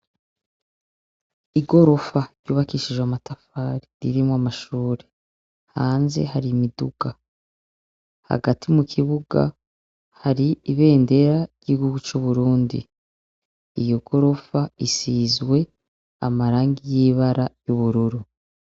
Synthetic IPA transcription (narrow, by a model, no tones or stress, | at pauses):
iɡo̞ɾo̞faɾjuːβakiʃiʒwamatafaːɾiɾḭɾimoamaʃuːɾe̞ | haːnze̞̰haɾimiduɡ̥a | ha̰ɡatʰimukʰiβuɡa̰ | haɾiiβe̞ːnde̞ɾaiɟ̥iɡuɡut͡ʃuβuɾuːndḭ | ijo̞ɡ̥o̞ɾo̞faisizwe̞ | a̰maɾaːŋɡijiβaɾajuβuɾuɾu